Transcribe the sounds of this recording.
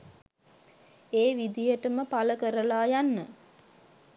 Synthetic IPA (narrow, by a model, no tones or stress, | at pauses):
eːʋid̪ijəʈəməpaləkəɾəlaːjanːə